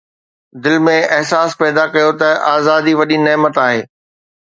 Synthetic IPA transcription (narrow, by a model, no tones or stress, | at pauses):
d̪ɪlmẽʔɐɦsaːspɛːd̪akɐjot̪ɐʔaːzaːd̪iʋɐɗinɛːmət̪aːɦeː